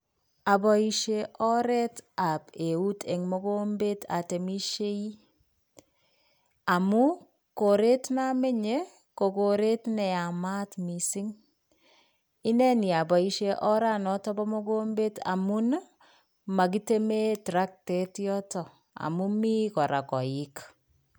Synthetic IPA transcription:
a˨bɔ˨iʃe˦ʔɔ˦ɾɛ˦ta˨pe˨u˦tʰe˨ŋmo˦ɡo˦mbe˦ta̰˨te˨mi˦ʃe˦i˦ | a˨mu˦ | ko˨ɾe˦tna˦me˦ɲe˦ | ko˨ko˨ɾe˦tnɛ˨a˨ma˦tmi˨si˦ŋ | i˦nɛ˦ni˨a˨ba˨i˦ʃe˦ʔɔ˦ɾa˦nɔ˦tɔ˦bɔ˦mɔ˦ɡo˦mbe˦ta̰˨mu˦n | ma˨k̬i˦te˦me˦tɾa˦k̚tɛ˦tjɔ˦tɔ˨ | a̰˨mu˦mi˦kɔ˨ɾa˨kɔ˨i˦k

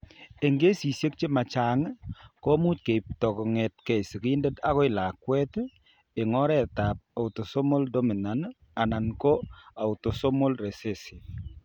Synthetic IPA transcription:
e˨ŋɡe˦si˨sje˦k̚t͡ʃe˦ma˨t͡ʃa˨ŋko˦mu˦t̚ke˨p̚tɔ˨kɔ˨ŋe˨t̚ke˨si˨ki˦nde˦ta˦kɔ˦ɪ˨la˨kwɛ˦t | e˨ŋɔ˦ɾɛ˦ta˨p̚a˨ʊ˨to˨so˦mo˦ldo˦mi˨na˨n | a˨na˨nko˦a˨ʊ˨to˨so˦mo˦lɾe˨se˦si˨

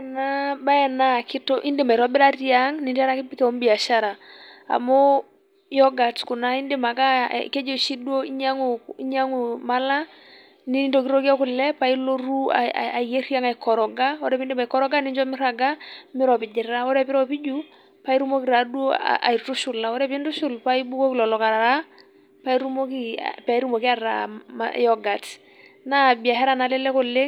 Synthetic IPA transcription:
na˦ba˦ɛ˨na˦˨kɪ˦tɔ˦ʔi˦ndɪ˨ma˨i˨ɾɔ˦bɪ˦ɾa˦rja˦ŋnɪ˨nta˦ɾa˦kɪ˦pi˦kɛ˨ɔ˦mbi˨a˨ʃa˦ɾa˨a̰˨mo˦ | jɔ˦ɡa˨tkʊ˨na˦i˦ndɪ˦ma˨ka̰˦ke˦d͡ʒo˦˨ʃi˦dwo˦i˦ɲa˦ŋu˨i˦ɲa˦ŋu˨ma˦la˦ | ni˦n˦to˨ki˦ɾɔ˦ki˦a˦ku˨lɛ˦pa˦i˦lo˦ɾu˦a̰a˨je˦ɾja˦ŋa˨ikɔ˨ɾɔ˨ɡa˦ɔ˦ɾɛ˦pi˦ndɪ˦ma˨i˨kɔ˦ɾɔ˦ɡa˦nɪ˦nd͡ʒɔ˦mɪ˦ɾa˨ɡa˦mɪ˦ɾɔ˨pɪ˨d͡ʒɪ˨ɾa˦ɔ˦ɾɛpɪ˦ɾɔ˦pi˦d͡ʒu˦ | pa˦i˦ɾu˦mo˦ki˨ɾa˨dwo̰˦a̰˨i˨tu˦ʃʊ˨la˨wɔ˦ɾɛ˦pi˦ntu˦ʃʊ˦lpa˦i˦bu˦ko˦kilɔ˨lɔ˨ka˨ɾa˨ɾa˦ | pa˦i˦ɾu˦mo˦kḭ˦pa˨i˦ɾu˦mo˨ki˦a˦ɾa̰˨ma̰jɔ˨ɡa˨t | na˦˨bi˨a˨hɛ˦ɾa˨na˨lɛ˦lɛ˦kɔ˨le˦

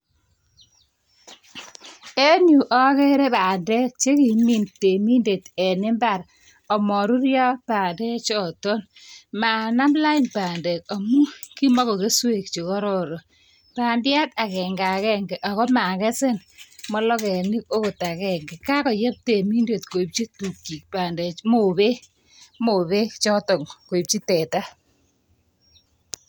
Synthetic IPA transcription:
e˦ɲu˨ʔɔ˦ke˦ɾe˦pa˨nde˦k̚t͡ʃe˦ki˨mi˨nte˨mi˦nde˨tɛ˨nɪ˦mba˦˨ɾ | ɔ˨mɔ˨ɾu˦ɾjɔ˦paː˨ndɛ˦t͡ʃɔ˨tɔ˦n | ma˨na˦mla˦ɪ˦npaː˨nde˨kɔ˨mu˦ki˦mɔ˦ko˨ke˦swe˦˨k̚t͡ʃi˨kɔ˦ɾɔ˦˨ɾo˨ | pa˨ndja˦ta˨kɛ˨ŋɡa˨kɛ˦ŋɡɛ˨ʔa˨kɔ˦ma˨kɛ˦sɪ˦nmɔ˦lɔ˦kɛ˨ni˦ko˦ko˨ta˨kɛ˦ŋɡɛ˨ka˦kɔ˨ja˦p̚te˨mi˦nde˨tko˨i˨p̚t͡ʃi˦tu˨kːi˨k̚pa˨ndɛ˨mo˦˨βe˦ | mo˨βe˦t͡ʃɔ˦tɔ˨ŋko˨i˨p̚t͡ʃi˦tɛ˨ta˦

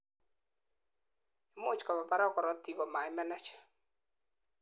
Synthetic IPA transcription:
e˨mo˦˨t͡ʃkɔ˨βa˨pa˦ɾɔ˦kɔ˨ɾɔ˦ti˦ɣɔ˨ma˨ɪ˦mɛ˦nɛ˦t͡ʃɛ̥˨

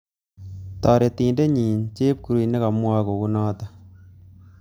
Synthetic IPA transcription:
tɔː˨ɾe˨ti˨nde˦ɲiː˨nt͡ʃe˦p̚ku˨ɾu˨ne˦ka˨mwa˦ko˨ku˦nɔː˦ta˦

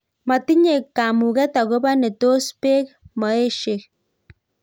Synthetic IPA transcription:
ma˨ti˦ɲe˨kːa˨mu˨ɣɛ˦ta˨ɣo˦βa˦ne˨to˦spe˦kma˨e˦ʃe˨k

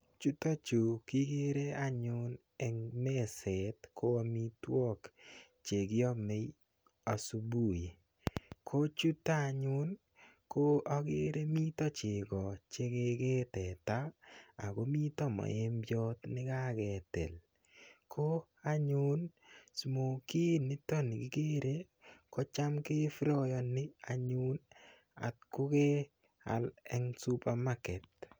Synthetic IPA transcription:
t͡ʃu˦ta˦t͡ʃu˨kɪ˦ɡe˦ɾe˦a˦ɲʊ˦n | ɛ˨ŋme˦sɛ˨tkʰo˦a˨mi˦twɔ˦kt͡ʃe˨ɡɪ˦ɔ˦me˨˦j | a˨su˨bu˦˨je˨ | kʰo˦t͡ʃu˦ta˦˨ɲʊ˦n | ko˦ɔ˦ɡe˦ɾe˦mi˦tɔ˦t͡ʃe˨ɡɔ˨t͡ʃe˦ke˦ɡe˦tɛ˨ta̰ː˦˨ko˦mi˦tɔ˦mɔ̰˨e˨˦mbjɔ˦tnɪ˦ka˦kɛ˨tḛ˨l | kʰo˦ | a˦ɲu˦nsu˨mo˨ki˦nɪ˦tɔ˦nɪ˨kɪ˦ke˦ɾe˦ | kɔ˦t͡ʃa˦mke˦fɾɔ˦jɔ˧nɪ˦a˨ɲu˦n | a̰˨t̚kʊ˦ke˦ | a̰˨lɛ˦ŋsu˦pa˨ma˦kɛ˨t̚

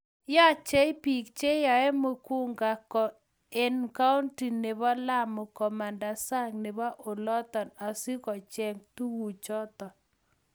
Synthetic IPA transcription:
ja˦t͡ʃɛ˦i˦pi˨k̚t͡ʃe˦jɔ˨ɛ˦mo˨ku˦ŋɡa˨kɔ˨ | e˦nka˦u˦nti˨ne˨βɔ˦la˦mʊ˨kɔ˨ma˨nda˨sa˦ŋne˨ba˦ʔo˨lɔ˦t̪ɔ˨na˨si˦kɔ˨t͡ʃɛ˨ŋtu˦wu˨t͡ʃɔ˦t̪ɔ˨

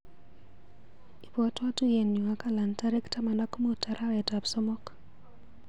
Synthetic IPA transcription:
i˨pwa˦twa˦tu˦je˨nɲo˨a˦ka˨la˨nta˦ɾe˦kta˦ma˨na˦kmo˦ta˨ɾa˦wɛ˨ta˨psɔ˦mɔ˦k

